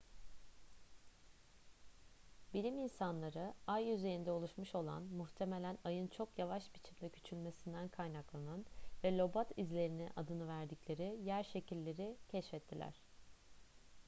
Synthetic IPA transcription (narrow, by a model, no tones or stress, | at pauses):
bilʲiminsanlˠaɾɯajyze̞ɾind̪ɛo̞lˠuʃmuʃo̞lˠa̰nmuxt̪ʰe̞me̞lʲænajɯnt͡ʃʰo̞kjavaʃbit͡ʃʰimd̪ɛcʰy̥t͡ʃʰylʲme̞sind̪ænkʰajnaklˠananvɛlʲo̞bat̪ʰizlʲe̞ɾiniʔa̰d̪ɯnɯvæɾd̪iclʲe̞ɾijæɾʃe̞cilʲːe̞ɾicʰɛʃfɛt̪ʰːilʲæ̰ɾ̝̥